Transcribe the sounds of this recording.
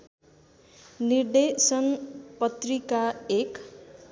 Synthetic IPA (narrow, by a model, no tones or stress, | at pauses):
nird̪esʌnpʌt̪rikaek